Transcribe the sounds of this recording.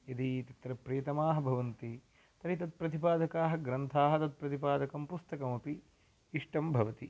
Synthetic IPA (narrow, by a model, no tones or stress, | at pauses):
jɐd̪it̪ɐt̪ɾɐpɾeːt̪ɐmaːɦɐbʱɐʋɐnt̪i | t̪ɐɾit̪ɐt̪̚pɾɐt̪ipaːd̪ɐkaːɦɐ̆ɡɾɐnt̪ʰaːɦɐt̪ɐt̪̚pɾɐt̪ipaːd̪ɐkɐmpust̪ɐkɐmɐpiː | ʂʈɐmbʱɐʋɐt̪i